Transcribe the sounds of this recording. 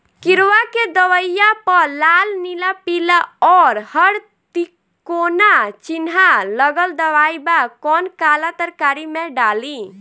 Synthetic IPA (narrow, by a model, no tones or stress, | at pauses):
kiɾʋaked̪əwəjapəlalnilapilaɔɾhəɽ | t̪i | konat͡ʃinɦaləɡəld̪əʋajbakɔnkalat̪əɾkaɾimeɖali